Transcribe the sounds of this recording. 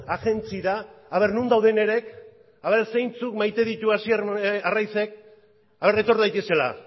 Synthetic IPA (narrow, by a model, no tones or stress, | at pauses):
aɣe̞nt͡siðaaβ̞e̞ɾnund̪awð̞e̞ne̞ɾe̞k | aβeɾsejnt͡sukmajt̪e̞ðit̪uasiearajse̞k̚ | aβe̞ɾe̞t̪o̞ɾðajt̪e̞se̞la̰